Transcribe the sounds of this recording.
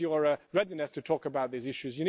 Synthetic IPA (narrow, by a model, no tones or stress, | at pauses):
jəɹəɹɛdinɨstʰɨtʰɔˑkəbaʊt̪̚ðizɪʃʉzjɨni